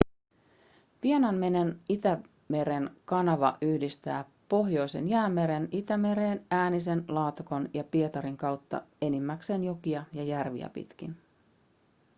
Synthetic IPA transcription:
pienɑnme̞ne̞nit̪æ | me̞ɾe̞nkɑnɑʋɑ̰ʔyhdist̪æː | po̞ɦjo̞jse̞̰njæːmːe̞ɾe̞nit̪æme̞ɾeːnæːnise̞nlɑːt̪uko̞njɑpie̞t̪ɑɾiŋkɑwt̪ːɑ̰e̞nimːækse̞ːnjo̞kiɑjɑjærʋḭæ̰pḭt̪kin

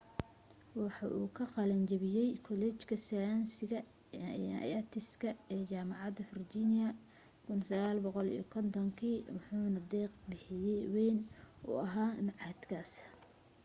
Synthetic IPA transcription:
wɑħɑʔuːkʰɐqɑlɐnt͡ʃɐβɪjɛjkʰɔlɛːt͡ʃkʰɐsɐjaːnsɪɣɐ̰ | jɐt̪ʰɪskʰɐɛːt͡ʃaːmɑʕɑd̪ɐfɪrt͡ʃiːnɪjɐ | kʰʊnsɐɣaːlbɔqɔlḭjɔ̰kʰɔnt̪ʰɔŋkʰiːwɑħuːnɐd̪ɛːqbɪħɪjɛjwɛːnṵːʔɐɦaːmɑʕɑd̪kʰaːs

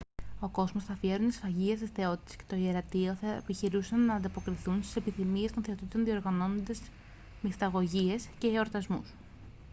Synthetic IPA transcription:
o̞ko̞zmo̞sθɐfie̞ɾunt̪i̥sfɐʝiest̪isθe̞o̞t̪i̥t̪e̥sce̞̥t̪o̞ieɾɐt̪io̞θɐepiçiɾusɐnːɐːnd̪ɐpo̞kɾiθunst̪i̥se̞piθimie̞st̪o̞nθe̞o̞t̪it̪o̞nðio̞ɾɣɐno̞nond̪ez | mist̪ɐɣo̞ʝie̞sce̞ːo̞ɾt̪ɐzmus

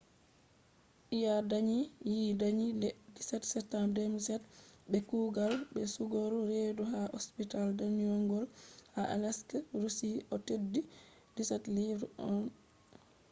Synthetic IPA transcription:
ʔijadaɲijiːdaɲidɛdisɛtsɛtːamdemisɛtbɛkuːɡalbɛsuɡoɾuɾeduɦaʔospitaldaniɔŋɡɔlhaʔa̰lɛskɾusiʔɔtedːi | disɛtliɾɔn

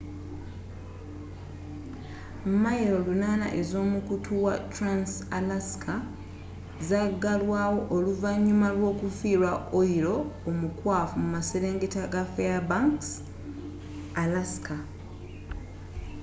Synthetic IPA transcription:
mmaiɾo̞lunaːna̰ʔe̞zo̞ːmukutʰuwatɾansalaskʰa | zaɡalwaːwo̞ʔːluvaɲːumalwo̞ːkufiːɾwaoiɾo̞ːmukwaːfumumase̞ɾe̞ːŋɡetaɡafeabaŋks | alaska

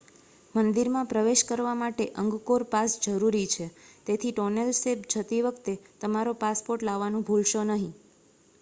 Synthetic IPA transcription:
mənd̪iɾmãpɾəʋeʃkəɾʋamaʈeʔəŋɡkoɾpasd͡ʒəɾuɾit͡ʃʰet̪et̪ʰiʈonelsepd͡ʒʱət̪iʋəkt̪et̪əmaɾopaspoɾʈlaʋːanũbʱulʃonəɦĩ

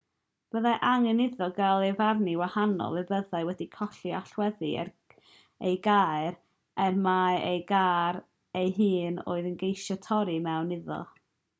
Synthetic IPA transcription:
b̥əðaʔaŋənɪðɔɡalˠevarniwahanɔ̰lˠɛbəðaɨwɛdikʰɔɬiaɬwɛðiɛ̰r | ejɡaːɨɾ | ɛrmaejɡaːɾ | ejɦɨːno̰ːɨðənɡejʃatʰɔɾimɛwnɪðɔ̰

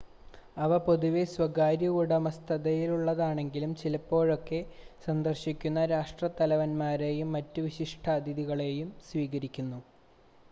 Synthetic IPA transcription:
ɐʋɐpo̞ðuʋeswɐɡaːɾjɐɣuɽɐmɐst̪ʰɐðɐjiluɭːɐðaːɳe̞ŋɡilumt͡ɕilɐpːo̞ːɻo̞kːe̞sɐnd̪ɐrɕikʲːunːɐɾaːʂʈrɐt̪ɐlɐʋɐnmaːɾe̞jumːɐtːuʋiɕiʂʈʰɐːd̪iðiɣɐɭe̞jumsʋiːɣɐɾikʲːunːu

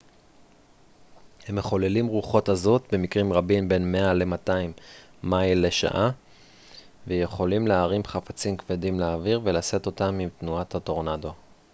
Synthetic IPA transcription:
he̞mːeχo̞lelimʁuχo̞tazo̞t̪be̞mikʁimʁabinbe̞nme̞ale̞mataimːajle̞ʃa̰ʔa | vejeχo̞limleaʁimχafat͡simkvedimleːviʁve̞lase̞t̪o̞tamimt̪nuathato̞ʁnado̞

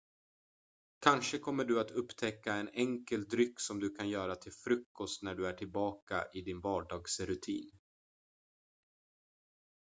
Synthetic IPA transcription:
kʰanʂəkʰɔmːəɖɵat̪ɵpːt̪ʰɛkːaɛnɛŋkəld̪ɾʏkːsɔmd̪ɵkʰanjœːɾat̪ʰɪlfɾɵkːɔst̪næɖɵæʈʰɪlbɑːka̰ʔɪd̪ɪnvɑːɖɑːɡsɾɵt̪ʰḭːn

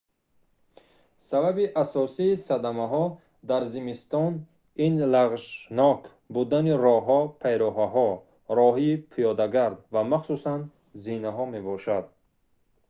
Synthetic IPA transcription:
sababiʔasɔsiːsad̪amaɦɔ | d̪aɾzimist̪ɔn | inlaʁʒnɔk | bud̪aniɾɔɦɔpʰajɾɔɦaɦɔ | ɾɔɦiːpʰijɔd̪aɡaɾd̪vamaχsusan | zinaɦɔme̞bɔʃad̪̚

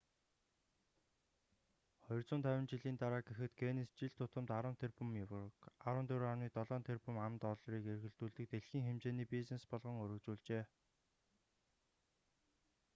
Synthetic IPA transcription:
χɔjɞ̆rt͡sʊːnt̪ʰæwʲɪ̆nt͡ɕiɮiːnt̪aɾaːɡexɘ̆t̪ɡenist͡ɕiɮt̪ʰʊt̪ə̆mt̪aɾə̆nt̪ʰerpɵ̆mjkaɾwə̆nt̪ʰɵɾːarniːt̪ɔɮɔːnt̪ʰerpɵ̆mamt̪ɔɮɾiːkerɣɘ̆ɮt̪uːɮt̪ɘ̆k̚t̪eɮxiːŋxemt͡ɕeːniːpisnespɔɮʁɞ̆ŋɵɾɵ̆kt͡ɕuːɮt͡ɕeː

